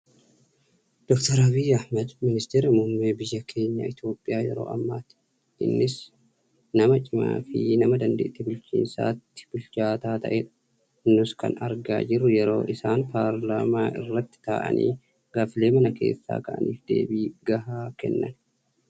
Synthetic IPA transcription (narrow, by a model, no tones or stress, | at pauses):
d̪̥ɔkt̪ɔɾɐbɪjɐhmɐd̪mɪnɪst̪eːɾɐmʊmːeːbɪjːɐkʰe̞ːɲːa̰ːɪt̪jo̞ːpʼːɪjʔaːjɛɾo̞̰ːʔɐmːaːt̪ɪ̥ | ɪnːɪs | nɐmɐt͡ʃʼɪma̰ːfɪnɐmɐd̪ɐnd̪ḛːʔt̪ːɪbʊlt͡ʃḭːnsa̰ːt̪ːɪ̥b̥ʊlt͡ʃaːt̪aːt̪ɐ̰ʔeːᶑɐ̥ | nːʊskɐ̰nɐɾɡa̰ːd͡ʒɪrːʊjɛɾo̞ːʔɪsaːnpaːɾlaːmaːʔɪrːɐt̪ːɪ̥t̪a̰ːʔɐ̰nʔḭː | ɡ̥aːfɪle̞ːmɐnɐkʰe̞̰ːsːa̰ːkɐʔɐ̰niːfd̪e̞̰ːbiːɡɐhaːkɛ̰nːɐ̰n